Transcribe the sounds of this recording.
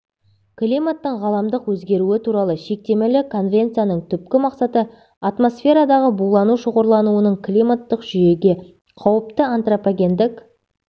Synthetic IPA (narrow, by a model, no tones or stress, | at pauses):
klʲimat̪ːəɴʁɑlˠɑmd̪əqwɵzɡʲe̞ɾuɪt̪ʰuɾɑlˠəʃe̞k̚t̪e̞melɪkʰo̞nvʲe̞nt̪sɨjanəɴt̪ʰʏp̚kʲɪmɑqsɑt̪ə | at̪mo̞sfʲe̞ɾɑd̪ɑʁəbulˠɑnuʃoʁoɾlˠɑnuwənəɴklʲijmat̪ːəqʒʏje̞ɡʲe̞ | qʰɑwəp̚t̪əant̪ropaɡʲe̞nd̪ɪk